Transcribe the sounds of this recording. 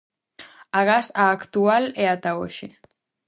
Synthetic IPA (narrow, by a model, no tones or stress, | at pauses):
aɣasaːkt̪ualeat̪aoʃe